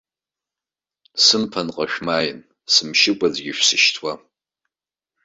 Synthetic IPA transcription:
sɨmpʰanqʼaʃᶣmajɪn | sɨmʃɪkʷʼazɡʲɪʃᶣsɨʃtʰwa

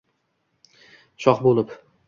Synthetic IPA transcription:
ʃɒqbolˠɪp

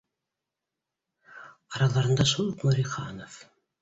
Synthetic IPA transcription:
ɑɾɑlˠɑɾɤ̆nd̪ɑʃulˠqmoɾʲiχɑnof

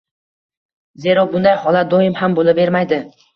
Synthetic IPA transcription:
ze̞ɾɒbʊnd̪ajhɒlˠat̪̚d̪oɪmhambolˠɪbe̞ɾmajd̪ɪ

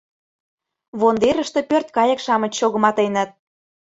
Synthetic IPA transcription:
βond̪eɾə̆ʃt̪ĕpørt̪̚kɑjə̆kʃɑmə̆t͡ɕɕoɣə̆mɑt̪enə̆t̪̚

